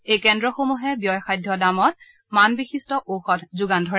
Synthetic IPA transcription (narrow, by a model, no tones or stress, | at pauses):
ejkɛndɹɔxomuɦɛbjɔjxajdʱːɔdamɔt̚ | manbixistɔʔoxɔtzuɡandʱɔɹɛ